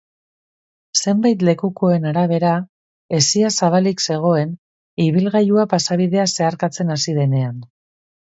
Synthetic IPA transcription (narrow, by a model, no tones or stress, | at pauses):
se̞mbajt̪le̞kuko̞e̞naɾaβe̞ɾa | e̞siasaβ̞alikse̞ɣ̞o̞e̞n | iβilɣajuapasaβiðe̞ase̞aɾkat͡se̞nasiðe̞ne̞an